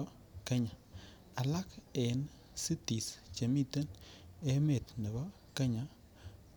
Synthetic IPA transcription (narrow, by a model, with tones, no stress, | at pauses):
ke˦ɲa˨ | a˨la˦ke˨n | si˦ti˨st͡ʃe˨mi˦t̪e˦ne˦me˨t̪ne˨bɔ˦ | ke˦ɲa˨